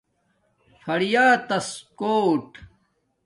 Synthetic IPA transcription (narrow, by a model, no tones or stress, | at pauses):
fʰɐɽijaːt̪ɐskoːʈ